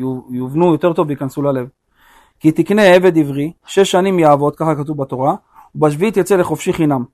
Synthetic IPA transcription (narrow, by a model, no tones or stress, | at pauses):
juvnujo̞t̪e̞ʁt̪o̞vbeikansulale̞v | kit̪ikne̞eve̞d̪ivʁiʃe̞ʃːanimjaːvo̞t̪̚kaχakat̪uvbat̪o̞ʁa | ubaʃ̬viit̪jat͡sele̞χo̞fʃiχinam